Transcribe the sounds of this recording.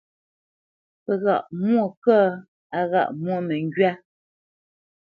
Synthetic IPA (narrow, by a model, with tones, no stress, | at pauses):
pɛ˨ɣa̰˨ʔmwɔ˦˨kə˦ | a˨ɣa̰˨ʔmwɔ˦˨mɛ˨ŋ˦ɡɥa˦